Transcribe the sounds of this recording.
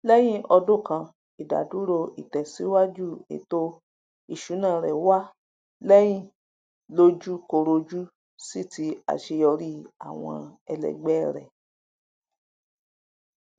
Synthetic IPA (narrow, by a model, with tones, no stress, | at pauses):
lɛ˦j̃ĩ˦˨ʔɔ˧do˦˨kã˧ | i˨da̰˨du˨˦ɾo˧ʔi˨tɛ˨si˨˦wa˦d͡ʒu˦˨ḛ˨to˦ | i˦˨ʃu˨˦nãː˦˨ɾɛ˨wa˦ | lɛ˦j̃ĩ˦˨ | lo˧d͡ʒu˦ko˧ɾo˧d͡ʒu˦ | si˦˨ti˧˦a̰˨ʃe˧jɔ˧ɾi˦a̰˨w̃ɔ̰̃˧ɛ˧lɛ̰˨ɡ͡bɛ˦ɾɛ̰˨